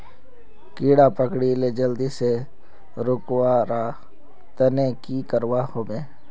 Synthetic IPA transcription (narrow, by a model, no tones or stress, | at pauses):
kiːɽapəkɽiled͡ʒəld̪ise | ɾʊkwaɾa | t̪ənekikəɾwahoːbeː